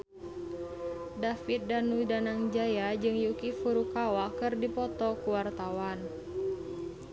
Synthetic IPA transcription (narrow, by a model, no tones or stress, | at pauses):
dafit̪̚danudanaŋd͡ʒajad͡ʒɨŋjukifuɾukawakɨrdipɔt̪ɔkuwart̪awan